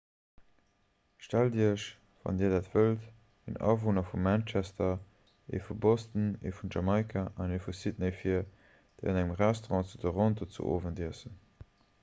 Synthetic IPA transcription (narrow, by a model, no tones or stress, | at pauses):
ʃtældiəʃ | vɑ̰ndiːɐdaːtv̥əlt | ənɑ̰vonɐfumænt͡ʃæstɐ | ḛfubostənḛfunʒɑmɑɪkʰaʔɑnefusit̚nəɪfiɐ | d̥əɪɑnæŋəmʁɛstoʁɑ̃ːt͡sudəʁõndot͡sṵʔo̰ːvəndiəsən